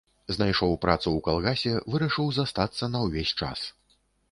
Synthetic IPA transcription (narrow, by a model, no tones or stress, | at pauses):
znajʂɔwpɾat̪suwkalˠɣasʲɛvɨɾɐʂɨwzast̪at̪sːɐnɐwvʲesʲt͡ʂa̰s